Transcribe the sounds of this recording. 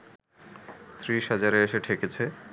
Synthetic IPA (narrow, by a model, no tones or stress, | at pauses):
t̪ɾiʃɦad͡ʑaɾeeʃeʈʰeket͡ɕʰe